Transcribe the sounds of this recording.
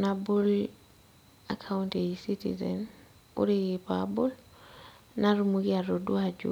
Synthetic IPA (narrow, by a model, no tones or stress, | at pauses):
nabul | a̰kʰaunteisitḭzɛ̰n | ṵɾiɣipabɔl | naɾumuɣiaɾɔduad͡ʒṵ